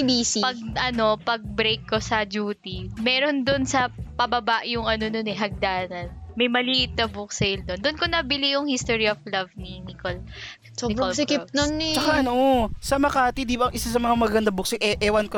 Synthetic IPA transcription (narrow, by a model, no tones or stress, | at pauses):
bisipɐɡ̚ʔɐno̞pɐɡ̚bɾejkːosɐd͡ʒuːt̪imɛːɾo̞nd̪onsɐpɐbɐbaʔjʊŋɐno̞nonɛɦɐɡ̚d̪aːnɐnmɐjmɐliːʔɪt̪̚nɐbʊk̚sɛjld̪ond̪onkonɐbɪlijʊŋhist̪oɹioflɐvninikol | bsɪkɪp̚nont͡ʃɐkaɐnoʔsɐmɐkaːt̪id̪ibɐŋʔɪsasɐmɐŋamɐɡɐnd̪abʊksɛʔɛʔɛwɐnko